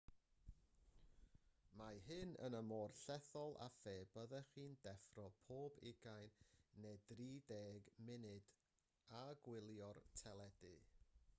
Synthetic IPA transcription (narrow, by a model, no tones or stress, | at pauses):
maɦɨnə̰nəmoːrɬɛθɔlˠa̰feːbəðɛχiːndɛfrɔpʰoːbɪ̰ɡajnːed̥riːdeːɡmɪnɨd̥ | aɡwɪlˠjɔrtʰɛlˠɛdɨ